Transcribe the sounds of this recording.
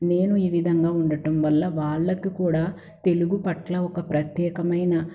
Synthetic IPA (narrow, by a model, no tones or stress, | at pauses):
ne̞ːnuiːʋid̪ʱɐŋɡaːuɳɖɐʈɐmʋɐlːɐʋaːɭːɐkikuːɽaː | t̪e̞luɡupɐʈlɐɔkɐpɾɐt̪jɛːkɐmɐjnɐ